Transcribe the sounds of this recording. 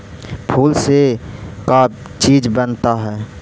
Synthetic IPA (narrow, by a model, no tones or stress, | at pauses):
pʰuːlseka | t͡ʃiːd͡ʒbənt̪aɦɛː